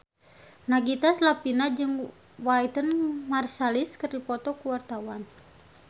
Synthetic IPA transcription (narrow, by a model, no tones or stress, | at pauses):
naɡit̪aslapinad͡ʒɨŋ | wait̪ənmarsaliskɨrdipɔt̪ɔkuwart̪awan